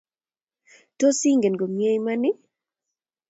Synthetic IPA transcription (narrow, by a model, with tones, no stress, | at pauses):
to˦si˦ŋɡe˨nɡo˨mje˦jma˦nɪ˦